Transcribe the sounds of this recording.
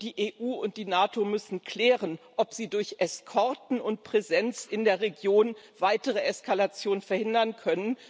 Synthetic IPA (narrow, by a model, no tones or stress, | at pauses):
d̥iːʔeːʔuːʊnt̚d̥iːnaːtomʏsn̩kʰl̥ɛːʁənʔɔpz̥iːdʊɐçʔɛskʰɔɐtn̩ʊnt̚pʁ̥ezɛnt͡sɪndeːɐʁeɡjoːnv̥aɪtəʁ̞əʔɛskalat͡sjoːnənfɛɐhɪndɐnkʰœnən